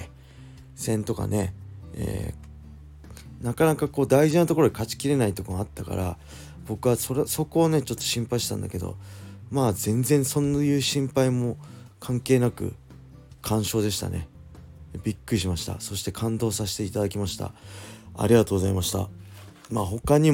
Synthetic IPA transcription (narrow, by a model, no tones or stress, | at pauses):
sẽ̞nt̪o̞ka̰ne̞ḛː | nakanakako̞ːd̪aiʑinat̪o̞ko̞ɾo̞d̪ekat͡ɕi̥kʲiɾe̞nait̪okomat̪ːaka̰ɾa̰ | bo̞kɯ̟βasoɾso̞ko̞ːne̞t͡ɕo̞t̪ːo̞̥ɕĩmpaiɕi̥t̪ã̰nd̪a̰ke̞d̪o̰maːzẽ̞nzẽ̞ɰ̃so̞njɯ̟ːɕĩmpaimo̞ | kʰãŋke̞ːnakɯ̟̰ | kʰãɰ̃ɕo̞ːd̪e̞ɕ̬i̥t̪a̰ne̞̰ | bʲikːɯ̟ɾʲiɕ̬imaɕi̥t̪a̰so̞ɕi̥t̪e̞kʰãnd̪o̞ːsaɕi̥t̪e̞it̪ad̪akʲimaɕi̥t̪a̰a̰ɾʲiɡat̪o̞ːɡo̞zaimaɕi̥t̪a̰ | maːɦo̞kaɲ̟i